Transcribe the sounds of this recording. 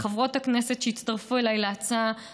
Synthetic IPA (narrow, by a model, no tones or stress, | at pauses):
χavʁo̞thaknesetʃeitt͡staʁfuelajleat͡sa